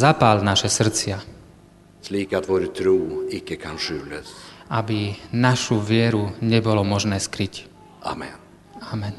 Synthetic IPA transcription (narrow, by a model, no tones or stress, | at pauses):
zapaːlnaʃɛsr̩t͡sɪa | sliːkat̪voːɾt̪ʰɾuːɪkːəkʰanʂʉːləsʔabinaʃuʋɪɛɾuɲɛbɔlɔmɔʒnɛːskɾic | ʔa̰mɛ̰n | amɛn